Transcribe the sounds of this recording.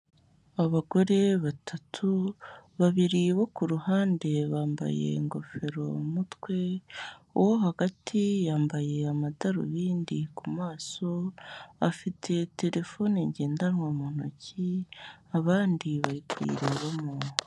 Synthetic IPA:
aβaɡo̞ɾe̞βatʰatʰuβaβiɾiβo̞kuɾuhaːnde̞βaːmba̰je̞̰ŋɡo̞fe̞ɾo̞mutwe̞uwohaɡatʰijaːmbaje̞amataɾṵβiːndikumaːso̞afitʰe̞te̞ɾe̞fo̞neɲɟeːndanŋamuːn̥o̰ciaβaːndiβaɾikwḭɾeβamo

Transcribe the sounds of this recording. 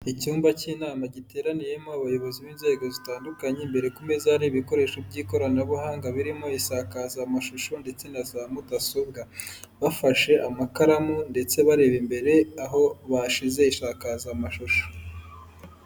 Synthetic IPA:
icuːmbaciːnaːmaɟite̞ɾanije̞moaβajo̞βo̞ziβiːnze̞ːɡo̞zitaːndukaɲembe̞ɾe̞kume̞zaaɾiβiko̞ɾe̞ːʃobɟiːko̞ɾanaβuhaːŋɡaβiɾimo̞iʃakazamaʃuʃonde̞t͡se̞nazaːmudasob̚ɡaβafaʃe̞ʔamakaɾamunde̞t͡se̞βaɾe̞βimbe̞ɾe̞aɦo̞βaʃize̞iʃaːkazamaʃuʃo̥

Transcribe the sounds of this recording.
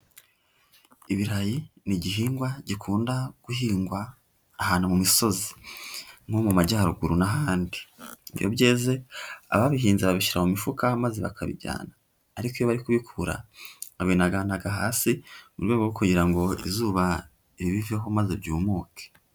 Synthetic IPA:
iβiɾajiniɟiɦiːŋɡwaɟikʰuːndaɡ̥uhiːŋɡwaː | haːnumumiso̞zi | ŋho̞mumaɟaːɾuɡuɾunaɦaːndiiβjo̞̰bɟeːze̞a̰βaβiɦiːnzeβaβiʃiɾamumifukamazeβa̰kʰaβḭɟa̰ːnaː | ɾikojoβaɾikuβikʰuɾa̰aβinaɡanaɡaɦaːsimuɾɡwe̞ːɡoukuɟiɾaŋɡo̞ḭzuːβa | iɾiβiveɦo̞mazebɟuːmuːkʰe̥

